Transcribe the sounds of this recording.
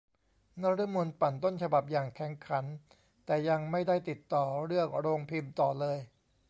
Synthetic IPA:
na˥˩ɾɯ˥˩mu˧npa˨˩nt̪o˥˩nt͡ɕʰa˧ba˨˩p̚jaː˨˩ŋkʰɛ˩˦ŋkʰa˩˦n | t̪ɛː˨˩ja˧ŋma˥˩jda˥˩jt̪i˨˩t̪ːɔː˨˩ɾɯ˥˩ək̚ɾoː˧ŋpʰi˧mt̪ɔː˨˩lɤː˧j

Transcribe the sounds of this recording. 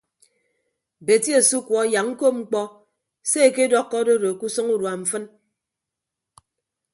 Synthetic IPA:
be˨ti˦e˨su˦kwɔ˨˦ja˨ŋŋ̩˦ko˦ŋ͡m̩˦k͡pɔ˦ | se˦e˨ke˦dɔ˦kːɔ˦do˦do˨ku˦sɔ˦ŋu˦ɾwa˨m̩˨fɨ˦n

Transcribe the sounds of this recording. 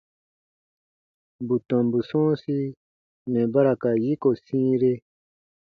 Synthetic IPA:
bu˨tɔ̃˨mbu˨sɔ̃ː˦si˦ | mɛ̃˨ba˦ɾa˨ka˨ji˦ko˨sĩː˦ɾe˦

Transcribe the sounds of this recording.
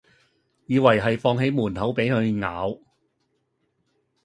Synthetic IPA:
jiː˨˧wɐ˨˩jɦɐ˨jfɔː˧ŋɦe˨˧˥jmuː˨˩nhɐ˨˥wpe˨˥jkɵ˨˧ɥŋa̰ː˨˧w

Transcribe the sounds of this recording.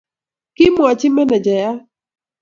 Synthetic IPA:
kɪ˦mwɔ˨t͡ʃɪ˦mɛ˦nɛ˨d͡ʒa˨ja˦

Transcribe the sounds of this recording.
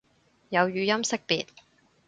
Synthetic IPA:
jɐ˨˧wjyː˨˧jɐ˥msɪ˥k̚pḭː˨t̚

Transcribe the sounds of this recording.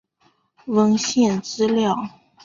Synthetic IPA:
wə˥nɕjɛ˥˧˩nt͡sɹ̩˥ljɑ˥˩ʊ

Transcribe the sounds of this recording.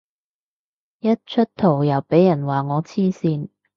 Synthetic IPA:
jɐ˥t̚t͡ʃʰt̚t̪ʰo˨˩wjɐ˨˩wpe˨˥jːɐ˨˩nwaː˨˩ŋɔː˨˧t͡sʰiː˥siː˧n

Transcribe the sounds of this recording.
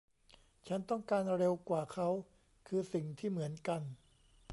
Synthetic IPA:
t͡ɕʰa˦˥nt̪ɔ˥˩ŋkaː˧nɾe˧wkwaː˨˩kʰa˦˥w | kʰɯː˧si˨˩ŋt̪ʰiː˥˩mɯ˩˦ənka˧n

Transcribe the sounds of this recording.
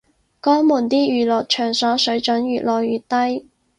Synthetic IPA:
kɔː˥ŋmuː˨˩nt̪iː˥jyː˨˩lɔː˨t̚t͡ʃʰœː˨˩ŋsɔː˨˥sɵ˨˥ɥt͡ʃɵ˨˥njyː˨t̚lɔː˨jyː˨˩t̚t̪ɐ˥j

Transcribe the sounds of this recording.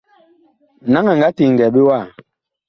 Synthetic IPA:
na˨˦ŋa˨ŋɡa˨˦ti˨ŋ̩˨ɡɛ˨ɓe˦wa˦˨

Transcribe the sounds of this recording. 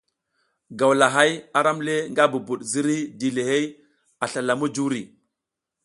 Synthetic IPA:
ɡa˨wla˨ɦa˦ja˨ɾa˦mle˦ŋɡa˦bu˨bu˨ɗzi˦ɾi˦di˨le˨he˦j | a˨ɬa˨la˨mu˦d͡ʒu˦ɾi˨

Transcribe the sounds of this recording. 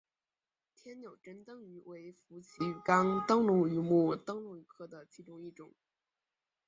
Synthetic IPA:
t̪ʰjɛ˥nnjo˨˩ʊʈ͡ʂə˥nt̪ɤ˥˧ŋy˧˥we˧˥ɪfu˧˥t͡ɕʰi˧˥˨kɑ˥ŋt̪ɤ˥ŋlʊ˧˥ŋy˧˥mu˥˩t̪ɤ˥ŋlʊ˧˥˩ŋy˧˥kʰɤ˥˩d̪ə˩t͡ɕʰi˧˥ʈ͡ʂʊ˥ŋi˥˩ʈ͡ʂʊ˨˩˦ŋ

